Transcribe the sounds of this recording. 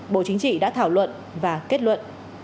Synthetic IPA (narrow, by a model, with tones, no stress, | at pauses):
ɓo̰˧˨t͡ɕï˨˦ŋt͡ɕḭ˧˨ɗa̰ː˧˥t̪ʰaː˧˩wlwə̰˧˨n | vaː˨˩ke˦˥t̚lwə̰˧˨nʔ